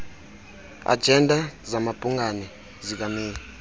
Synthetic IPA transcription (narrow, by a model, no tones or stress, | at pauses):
a̰d̥d͡ʒʱɛndʱazamab̥ʱʼuŋanɛ | zik̬amiːni